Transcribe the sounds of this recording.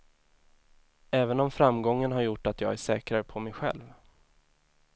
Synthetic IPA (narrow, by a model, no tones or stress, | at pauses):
ɛːvənɔmfɾamɡɔŋːənɦaɾjʊʈːat̪jɑːɡæʂɛːkɾaɾəpʰɔmɛjɧɛ̰lv